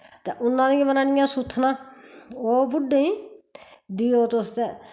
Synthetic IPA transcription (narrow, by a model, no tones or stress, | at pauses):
t̪eːʔʊnːãːnẽmənaːnɪjãːsʊt̪ʰːnãːoːbʊɖẽĩː | d̪iːoːt̪ost̪ɛː